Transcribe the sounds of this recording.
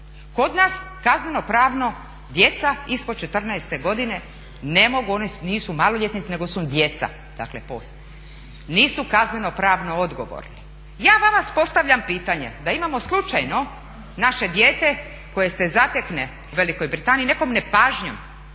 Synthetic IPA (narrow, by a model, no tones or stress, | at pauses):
ko̞d̪naskazneno̞pɾaːʋno̞ | d̪je̞t̪saispot͡ʃet̪r̩naest̪e̞ɡo̞d̪ine̞ | nemo̞ɡuonisniːsumaːloʎʲet̪nit̪sine̞ɡo̞sud̪jet̪sa̰ | d̪a̰kle̞̰pos | niːsukazneno̞pɾaːʋno̞od̪ɡo̞̰ʋo̰ɾni | jaːʋaʋaspo̞st̪aʋʎʲampiːt̪aɲe̞̰d̪aimamo̞slˠut͡ʃajno̞ | naʃe̞d̪jeːt̪e̞ | ko̞je̞sezat̪ekne | uʋe̞liko̞jbɾit̪aːniːne̞ko̞mne̞paːʒɲom